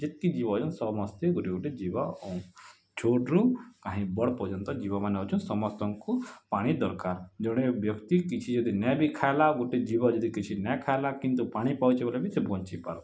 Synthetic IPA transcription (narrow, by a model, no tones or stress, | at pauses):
d͡ʒɪt̪̚kid͡ʒibad͡ʒɔnsɔmɔst̪eɡuʈiɡuʈed͡ʒibaɔ̃ | t͡ʃʰoːʈɾũkaɦĩbɔɽpɔud͡ʒɔnt̪ɔd͡ʒibamaneɦɔt͡ʃʰunsɔmɔst̪ɔ̃ŋkupaːɽ̃id̪ɔɾkaɾd͡ʒɔɽ̃ebjɔkt̪ikit͡ʃʰid͡ʒɔd̪ʱinɛbʱikʰajlaɡuʈed͡ʒibad͡ʒɔd̪ʱikit͡ʃʰinɛkʰajlakĩnt̪upaːɽ̃ipaut͡ʃebolebisebʱɔɲt͡ʃipaɾ